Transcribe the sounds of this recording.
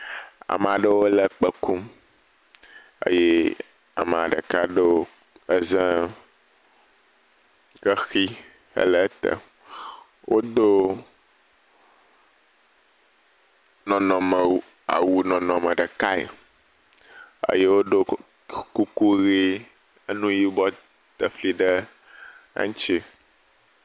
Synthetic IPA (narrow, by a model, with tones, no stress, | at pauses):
a̰˨m̃˨a˨ɖə˦wo˦lə˨k͡pə˦ku˦m | ə̰˦je˦ | a̰˨mɛ˨a̰˨ɖə̰˨ka˦ɖə˦wo˦ | ə˦zə̃˦ | kə˦xi˦ | ə̰˦lə˦t̪ə̰˨ | wʔo˦d̪o˦ | nɔ̃˨nɔ̃˨mə˨˦ | a̰˨wu˦nɔ̃˨nɔ̃˨mɛ̃˨ɖə˨ka˦ḛ˨ | ə̰˦je˦wo˦ɖo˦ | ku˦ku˦ɣi˦ | ə˦nũ˦ji˦bɔ˦ | t̪ə˨fli˦ɖə˦ | a̰˦ŋ˦t͡ʃi˦